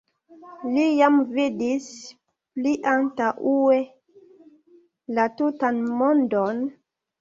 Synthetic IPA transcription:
lijamvidis | pliʔantaʔue | latutanmondon

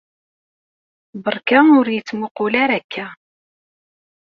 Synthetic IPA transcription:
bəɾˤkæʊɾjət͡sːmʊqʊlaɾækːæ

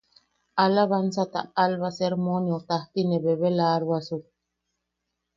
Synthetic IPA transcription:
alaβansat̪a̰alβaseɾmonjot̪aht̪ineβeβelaɾβasu

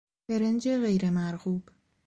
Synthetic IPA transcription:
eɾend͡ʒeɣejɾemæɾhuːb̥

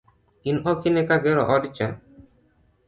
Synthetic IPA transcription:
inɔkinɛkaɡɛɾɔ̰ʔɔdit͡ʃa

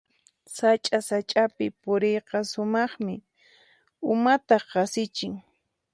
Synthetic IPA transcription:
sat͡ʃʼasat͡ʃʼapɪpʊɾejqɑsʊmɑχmɪ | ʊmat̪ɑqɑsɪt͡ʃɪŋ

